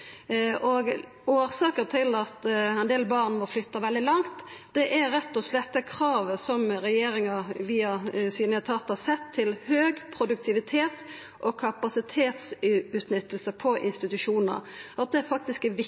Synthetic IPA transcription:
ʔɔɡ | oːɾsɑːkəɾt̪ʰɪlɑt̪ɛɪnd̪eːlbɑʁnmɔflʏt̪ːɑʋɛld̪ɪlɑŋt̪d̪̥ɛʔæɾɛt̪ːɔslɛt̪ːɛkʰɾɑːʋəsɔmɾɛjeːɾɪŋɑʋiːɑsiːnəət̪ʰɑt̪ːɑsɛt̪ʰːɪlhøːɡpʰɾʊd̪ʉk̚t̪ʰɪʋɪt̪ʰeːt̪ | ʔɔkʰɑpɑsɪt̪ʰeːt̪sʉːt̪nʏt̪ːəlsəpʰɔʔɪnst̪ɪt̪ʉʂuːnə̰ɾɑt̪̚d̪ɛæɾfɑk̚t̪ɪskɛʋɪ

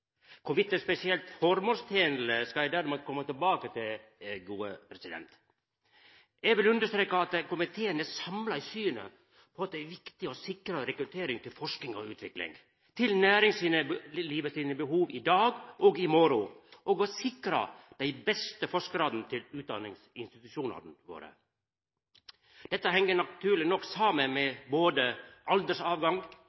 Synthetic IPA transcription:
kʰʊʋɪt̪ːəspɛsɪɛlt̪fɔɾmust̪ʰeːnl̩əskɑɛd̪æːɾmud̪̚kʰɔmːət̪ɪlbɑːkət̪ʰɪlɡuːə̰pʰɾɛsɪd̪ɛ̰nt̪ | jɛɡʋɪlʉnd̪əʂt̪ɾeːkɑɑt̪kʊmɪt̪ʰeːənəsɑmlɑɪsyːnə̰ | pʰɔɑt̪ːæʋɪkt̪ɪɔsɪkɾɑɾɛkɾʉt̪ʰeːɾɪŋt̪ʰɪlfɔʂknɪŋɔ̰ʉ̰ːt̪ʰʋɪklɪ̰ŋ | t̪ʰɪlnæːɾɪŋsiːnəliːʋəsiːnəbəɦuːʋɪd̪ɑːɡʔɔɡɪmɔɾʊʔɔɡɔsɪkɾɑ̰d̪̥æɪbɛst̪əfɔʂkɾɑːd̪n̩t̪ʰɪlʉːt̪̚d̪ɑ̰nɪŋsɪnst̪ɪt̪ʉʃuːnɑ̰ɾn̩ʋo̰ːɾə̰ | d̪̥ɛt̪ːəɦɛŋːənɑt̪ʰʉːlɪnɔkːsɑːmənmɛboːd̪əʔɑld̪əʂɑːʋɡɑŋ

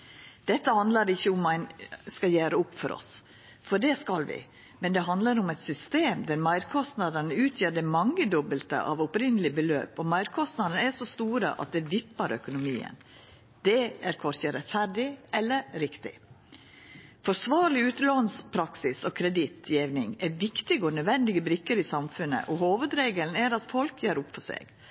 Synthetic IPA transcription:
d̪̥ɛt̪ːəhɑnd̪ləɾɪçːəʊmæɪnskɑjæːɾəʊpːfɔɾʔɔ̰s | fɔɖɛskɑlʋɪ̰ | mɛnd̪ɛɦɑnd̪ləɾʊmɛt̪sʏst̪eːmd̪æɾmæɪɾkʰɔst̪nɑd̪ənəʉːt̪ʰjeːd̪əmɑŋːəd̪ɔbəlt̪ə̰ʔɑ̰ʋʊpɾɪnəlɪbəlø̰ːpɔmɑɪɾkʰɔst̪nɑd̪ənəæʂɔst̪uːɾə̰ʔɑ̰t̪̚d̪ɛʋ̪ɪpːəɾœ̰kʊnʊmiːə̰n | d̪̥ɛæɾkʰɔɾçəɾɛt̪fæɾɖɪɛlːəɾɾɪkt̪ɪ̰ | fɔʂʋɑːɾɭlɪʉːt̪loːnspʰɾɑksɪsɔkʰɾɛd̪ɪt̪ʰjɛːʋnɪŋæɾʋɪkt̪ɪɡoːnœd̪ʋɛnd̪ɪɡəbɾɪkːəɾɪsɑmfʉnə̰ʔɔhoːʋəd̪ɾeːɡəln̩æɾɑt̪fɔlkʰjøːɾʊpfɔʂḛːɡ̥

